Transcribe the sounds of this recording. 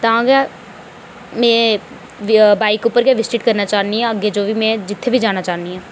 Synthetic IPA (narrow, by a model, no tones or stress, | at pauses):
t̪ɐãːɡa | mɛ̃ː | baːɪkʊpːəɾkeʋɪsʈɪʈkəɾnaːt͡ʃaːniɦɛ̃əɡːed͡ʒoːʋʱiːmɛ̃ːd͡ʒɪt̪ʰːebʱid͡ʒaːnaːt͡ʃaːniɦɛ̃ː